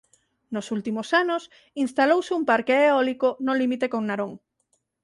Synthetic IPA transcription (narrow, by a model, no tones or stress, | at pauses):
nosult̪imosanos | inst̪alowseumpaɾkeeɔlikonolimit̪ekoŋnaɾoŋ